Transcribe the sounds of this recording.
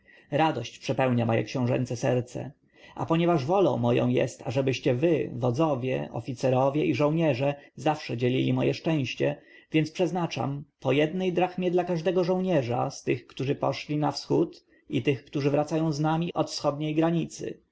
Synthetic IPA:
ɾad̪ɔɕt͡ɕpʂɛpɛwɲamɔjɛ̰kɕɛ̃w̃ʐɛ̰nt̪sɛsɛɾt̪sɛ̰ | a̰pɔɲɛvaʐvɔlɔ̰̃w̃mɔjɔ̰̃w̃jɛ̰st̪a̰ʐɛbɘɕt͡ɕɛvɘvɔd̪zɔvʲjɛ̰ʔɔ̰fʲit̪sɛɾɔvʲjɛʔiʐɔ̃w̃ɲɛʐɛzafʂɛd͡ʑelʲḭlʲimɔjɛʂt͡ʂɛ̃w̃ɕt͡ɕɛ | vʲjɛnt̪spʂɛznat͡ʂa̰mpɔjɛd̪nɛjd̪ɾaxmʲjɛd̪lakaʐd̪ɛɡɔʐɔ̃w̃ɲɛʐa̰st̪ɘxkt̪uʐɘpɔʂlʲinafsxut̪ | it̪ɘxkt̪uʐɘvɾat̪sajɔ̃w̃znamʲiʔɔt̪fsxɔd̪̚ɲejɡɾaɲit̪sɘ̰

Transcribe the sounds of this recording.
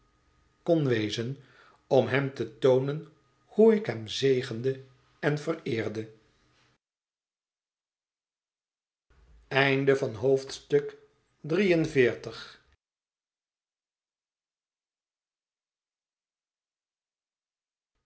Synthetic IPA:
kɔnʋejzən | ɔmɦɛmtətownən | huɪkɦɛmzejχəndə | ɛnvərɪːɹdə | ɛjndəvɑnɦowftstɵk | drijənvɪːɹtəχ

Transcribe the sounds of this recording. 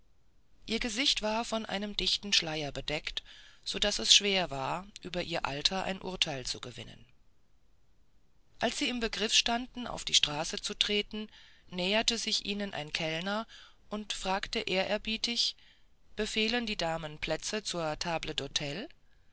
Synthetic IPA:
ʔiːɐɡəzɪçtv̥aːɐfɔnʔa̰ɪnəmdɪçtn̩ʃlaɪɐbədɛktz̥oːdasɛsʃv̥eːɐvaːɐʔyːbɐʔiːɐʔa̰ltʰɐʔa̰ɪnʔʊ̰ɐtʰaɪlt͡suɡəvɪ̰nə̰n | ʔalsz̥iːɪmbəɡʁɪfʃtandn̩ʔa̰ʊfd̥iːʃtʁ̥aːsət͡sutʁ̥eːtn̩nɛːɐtəzɪçʔiːnənʔa̰ɪnkʰɛlnɐ | ʔʊntfʁ̥aːktəʔeːɐʔɛɐbiːtɪç | b̥əfeːləndiːdaːmənpʰl̥ɛt͡sət͡suːɐtʰaːblədotʰɛl

